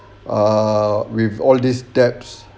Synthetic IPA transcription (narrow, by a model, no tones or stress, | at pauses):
awivɔldisdɛps